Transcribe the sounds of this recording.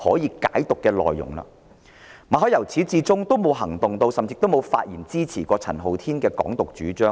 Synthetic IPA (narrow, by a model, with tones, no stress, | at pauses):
hɔː˨˥jiː˨˧ka̰ː˨˥jt̪ʊ˨kːɛː˧lɔ̰ː˨jːʊ̰˨˩ŋla̰ː˧ | maː˨˧ɦɔː˨˥jɐ˨˩wt͡sʰiː˨˥t͡siː˧t͡sʊ˥ŋt̪o˥wmo˨˧wɦɐ˨˩ŋt̪ʊ˨ŋt̪o˧wsɐ˨mt͡si˧k̚t̪o˥wmo˨˧wfa̰ː˧t̚jiː˨˩nt͡siː˥t͡sʰiː˨˩kɔː˧t͡sʰɐ˨˩nɦo˨wt̪ʰiː˥nkɛː˧kɔ̰ː˨˥ŋt̪ʊ˨k̚t͡ʃyː˨˥t͡ʃœː˥